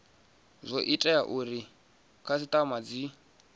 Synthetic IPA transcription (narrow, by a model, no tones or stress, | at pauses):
zʷɔʔitʼɛaʔuɾi | kʰasitʼamad͡zi